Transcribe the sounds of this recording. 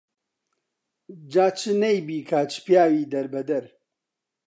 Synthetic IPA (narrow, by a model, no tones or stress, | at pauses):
d͡ʒaːt͡ʃɨnɐjbiːkʰaːt͡ʃɨ̥pjaːwiːd̪ɐɾbɐd̪ɐɾ